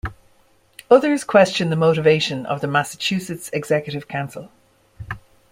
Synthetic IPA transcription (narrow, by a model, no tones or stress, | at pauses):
ʊðə˞z̥kʰw̥ɛst͡ʃə̃nðəmoʊɾɪveɪʃə̃nʔə̰vðəmasə̥t͡ʃʰʉːˑsɪtsɛɡz̥ɛkjəɾɪv̥kʰãʊ̃nsəlˠ